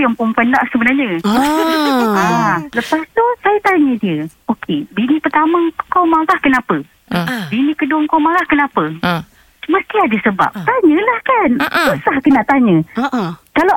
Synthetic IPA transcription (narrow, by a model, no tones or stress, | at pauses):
jampumpəndaʔsəbənarɲəualəpast̪usajat̪aɲədiəokʰebinĩpərt̪aməkowmaɣahkənapə | binĩkəduaŋkowmaɡahkənapə | məst̪iadəsəba̰p̚t̪aɲə̃lahkanboʔsahkənaʔt̪aɲə̃ | kala